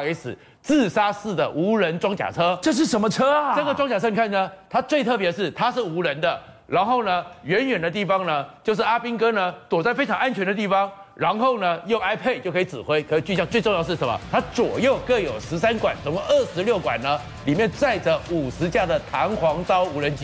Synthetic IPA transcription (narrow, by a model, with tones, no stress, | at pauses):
e˧˥sɹ̩˨˩ | t͡sɹ̩˥˨sa˥sɹ̩˥˩d̪ə˩ʔu˧˥ɻə˧˦nʈ͡ʂwɑ˥ŋt͡ɕja̰˨˩t͡sʰɤ˦˥ʈ͡ʂɤ˥˧ʂ̬ɻ̩˥˩ʂə˧˥nmə˧ʈ͡ʂʰɤ˥ʈ͡ʂə˥˩ɡə˩ʈ͡ʂwɑ˥ŋt͡ɕja˨˩ɤ˥ni˨˩kʰa˥˩n˩ə˧˦t̪ʰa˥t͡swe˥˧ɪt̪ʰɤ˥˩p̬jɛ˧ʂ̬ɻ̩˥˩t̪ʰa˥ʂɻ̩˥˩u˧˥ɻə˧˦nd̪ə˨ | ɻa˧˥nxo˥˩ʊnə˩ɥɛ˧˦˥nɥɛ˨˩nd̪ə˩˦t̪i˥˩fɑ˦ŋnə˧t͡ɕjo˥˧ʊʂ̬ɻ̩˥˩a˥pi˥ŋkɤ˥nə˧t̪wɔ˨˩t͡sa˥˩ɪfe˥ɪʈ͡ʂʰɑ˧˥ŋa˥˩nt͡ɕʰɥɛ˧˥nd̪ə˧t̪̬i˥˩fɑ˦ŋɻa˧˥nxo˥˩ʊnə˩jo˥˩ʊa˥ɪpʰe˥˩ɪt͡ɕjo˥˩ʊkʰi˨t͡sɻ̩˨˩xwe˥ɪkʰɤ˧˥i˨˩t͡ɕy˥˧ɕjɑ˥˧ŋt͡swe˥˧ʈ͡ʂŋjə˧ʂ̩˥˩ʂə˨˧˦mɐ̰˧t̪ʰa˥t͡swɔ˨˩jo˥˨ʊkɤ˥˩jo˨˩ʊʂɻ̩˧˦sa˥nkwa˨˩nt͡so˨ŋko˥˧ə˥˩ʂɻ̩˧˥ljo˥˩ʊkwa̰˨˩nnə˦ | li˨˩mjɛ˥˧nt͡sa˥˩ɪʈ͡ʂə˩u˨˩ʂɻ̩˧˥t͡ɕja˥˩d̪ə˩t̪ʰa˧˥ŋxwɑ˧˥ŋt͡sɑ˥ʊu˧˥ɻə˧˦nt͡ɕi˦